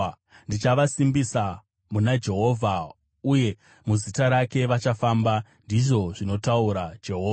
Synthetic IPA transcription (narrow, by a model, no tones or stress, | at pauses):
ndit͡ʃaʋasimbisa | munad͡ʒe̞ɦo̞vʱa | uje̞ | muzitaɾake̞ʋat͡ʃafambandiʐo̞ʐino̞tauɾad͡ʒe̞ɦoːa